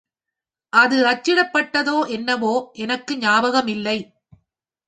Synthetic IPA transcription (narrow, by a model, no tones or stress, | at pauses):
ʔɐðɯɐt͡ʃːɪɽɐpːɐʈːɐðoːʔɛnːɐʋoːʔɛnɐkːɯɲaːbɐɣɐmɪlːɐɪ